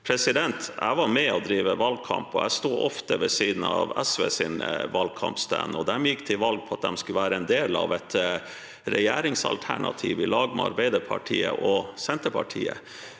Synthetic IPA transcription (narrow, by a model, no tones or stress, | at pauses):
pʰɾɛsɪd̪ɛnt̪æ̰ɪʋɑɾmɛɔd̪ɾiːʋəʋɑlɡ̚kʰɑmpɔæɪst̪uːʔɔft̪əʋɛsiːd̪n̩ɑʋɛsʋeːsiːnʋɑlɡ̚kʰɑmpst̪ʰæ̰nɔd̪ɛmjɪkːt̪ʰɪlʋɑlɡ̚pʰɔɑt̪̚d̪ɛmskʉʋæːɾəɛnd̪eːlɑʋɛt̪ | ɾɛjeːɾɪŋsɑ̰lt̪ʰæɳɑt̪ʰiːʋɪlɑːɡmɛɑɾbæɪd̪əpʰɑʈʰiːəʔɔsɛnt̪əpʰɑʈʰiːə